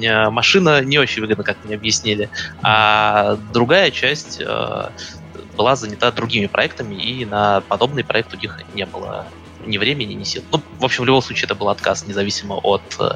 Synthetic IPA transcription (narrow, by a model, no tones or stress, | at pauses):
əmɐʂɨnənʲɪot͡ɕɪnʲvɨɡəd̪nəkakmnʲeɐbjɪsʲnʲilʲɪa | d̪ɾʊɡajət͡ɕæsʲtʲə̰ | bɨlˠazənʲɪt̪ad̪ɾʊɡʲimʲɪpɾʔɐɛk̚t̪əmʲɪʔinəpɐd̪o̞bnɨjpɾʔɐ̰ɛk̚t̪ːɾʊɡʲixnʲebɨlˠə̰ | nʲɪvɾʲemʲɪnʲɪnʲɪsʲḭlˠnuvo̞pɕːɪmvlʲʊbo̞msˠut͡ɕɪɛt̪əbɨlˠɐt̪kasnʲɪzɐvʲisʲɪmə̰ʔot̪ː